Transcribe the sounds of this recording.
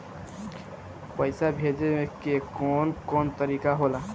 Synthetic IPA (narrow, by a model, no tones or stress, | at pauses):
pəɪsabʱeːd̪emekekɔːnkɔːnt̪əɾiːkaɦola